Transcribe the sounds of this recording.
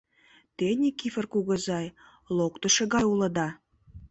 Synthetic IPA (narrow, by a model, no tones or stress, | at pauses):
t̪enʲikifərkuɣə̆zɑj | lokt̪ə̆ʃĕɣɑjulə̆d̪ɑ